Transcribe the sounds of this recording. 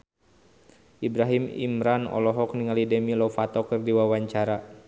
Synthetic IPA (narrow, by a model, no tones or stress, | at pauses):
ʔibɾaɦimḭmɾanɔ̰lɔɦɔkniŋalidɛmilɔfat̪ɔkɨrdiwawaɲt͡ʃaɾa